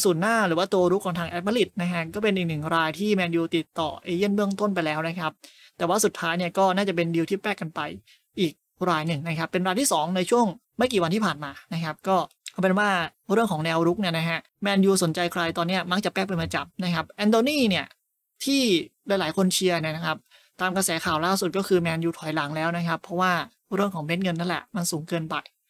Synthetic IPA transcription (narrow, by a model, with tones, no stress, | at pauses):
suː˨˩nːaː˥˩ɾɯː˨˦waː˥˩t̪u˧ɐɾu˦˥kʰːɔː˩˦ŋt̪ʰaː˧ŋʔɛː˦˥t̪̚ma˥li˨˩t̪̚na˦˥kʰa˦˥kɔː˥˩pe˧nʔiː˨˩k̚nɯ˨˩ŋɾaː˧jt̪ʰiː˥˩mɛː˧njuː˧t̪i˨˩t̪ːɔ̰ː˨˩ʔeː˧jɯ˥˩ənbɯ˥˩əŋt̪o˥˩np̬a˧jlɛː˦˥wna˦˥kʰa˦˥p̚ | t̪ɛː˨˩waː˥˩su˨˩t̪ʰːaː˦˥jni˥˩əkɔː˥˩naː˥˩t͡ɕa˨˩pe˧ndi˧wt̪ʰiː˥˩pɛː˥˩kːa˧npa˧j | ʔiː˨˩k̚ | ɾaː˧jnɯ˨˩ŋna˦˥kʰa˦˥pːe˧nɾaː˧jt̪ʰiː˥˩sɔː˩˦ŋna˧jt͡ɕʰu˥˩əŋ | ma˥˩kiː˨˩wa˧nt̪ʰiː˥˩pʰaː˨˩nmaː˧na˦˥kʰa˦˥p̚kɔː˥˩kʰpe˧nwaː˥˩ɾɯ˥˩əŋʰkɔː˩˦ŋnɛː˧wɾu˦˥k̚ni˥˩ɐna˦˥kʰa˦˥ʔ | mɛː˧njuː˧so˩˦nt͡ɕa˧jkʰɾa˧jt̪ɔː˧nːi˦˥ɐma˦˥k̚t͡ɕa˨˩pɛː˥˩k̚pa˧jmaː˧t͡ɕa˨˩p̚na˦˥kʰa˦˥p̚ʔɛː˧ndoː˧niː˥˩ni˥˩ɐ | t̪ʰiː˥˩la˧˩˦jlaː˩˦jkʰo˧nt͡ɕʰi˧əɐna˧˥˩na˦˥kʰa˦˥p̚ | t̪aː˧mkɾa˧sɛː˩˦kʰaː˨˩wlaː˥˩su˨˩t̪̚kɔː˥˩kʰɯː˧mɛː˧njuː˧t̪ʰɔ˨˩˦jla˩˦ŋlɛː˦˥wna˦˥kʰa˦˥pʰːɔ˦˥waː˥˩ | ɾɯ˥˩əŋkʰɔː˩˦ŋmeː˦˥t̪̚ŋɤ˧nːa˥˩nlɛ̰˨˩ʔma˧nsuː˩˦ŋkɤː˧npa˧j